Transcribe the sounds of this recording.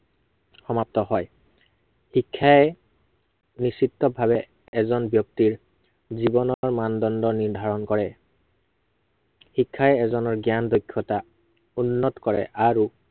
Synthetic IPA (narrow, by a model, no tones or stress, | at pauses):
xɔmap̚tɔɦɔj | hikʰːaɛ | nisitːɔbʱabɛ | ɛzɔnbjɔk̚tiɹ | zibɔnɔɹmandɔndɔniɹdʱaɹɔnkɔɹɛ | hikʰːaɛɛzɔnɔɹɡjandojkʰːɔta | unːɔtkɔɹɛ̰ʔaɹu